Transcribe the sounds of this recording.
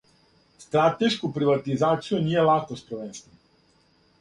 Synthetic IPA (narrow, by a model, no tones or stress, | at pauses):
st̪ɾat̪ɛʃkɔpɾiʋat̪izaːt̪sijɔniːjɛlaːxkɔspɾɛʋɛnst̪vɛn